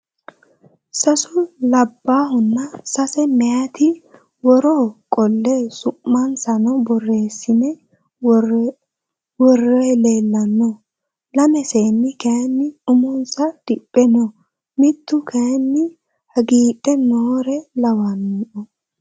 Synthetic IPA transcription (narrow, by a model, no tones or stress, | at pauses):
sɐsʊlɐbːaːhʊnːɐsɐsɛmɛjat̪ɪ | wɔɾokʼɔlːesʊmːɐnsɐnɔbɔrːe̞ːsːɪnɛ | wɔrːejleːlːɐnːɔ | lɐmɛseːnːɪkɐɐnːɪʊmʊnsɐd̪̥ɪpʼːɛnɔ | mɪt̪ːʊkʰɐjɐnːɪ | hɐɡiːtʼːɛnoːɾɛlɐwaniːɔ